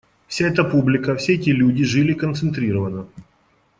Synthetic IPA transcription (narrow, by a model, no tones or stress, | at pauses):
fsʲaɛt̪əpublʲɪkəfsʲeɛtʲɪlʲudʲɪʐɨlʲɪkənt̪sɨnt̪ɾʲiɾəvənə